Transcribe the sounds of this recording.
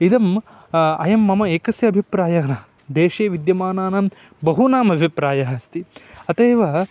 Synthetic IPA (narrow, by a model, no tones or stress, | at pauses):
id̪ɐm | ɐ̰jɐmːɐmɐeːkɐsjɐɐbʱipɾaːjaːnɐ | d̪eːʃeːʋid̪jɐmaːnaːnɐm | bɐɦunaːmɐbʱipɾaːjɐɦɐst̪iɐt̪eːʋɐ